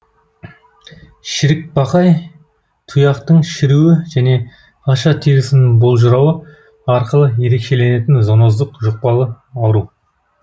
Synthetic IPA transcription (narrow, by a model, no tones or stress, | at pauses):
ʃɪɾɪk̚bɑqɑj | t̪ʰʊjɑqt̪əɴʃɪɾuwɪʒæne̞ | ɑʃɑt̪ʰeɾɪsɪnɪŋbo̞lˠʒʊɾɑwə | ɑɾqəlˠəje̞ɾe̞kʃe̞le̞ne̞t̪ɪnzonozd̪əqʒʊq̚pɑlˠə | ɑwɾuw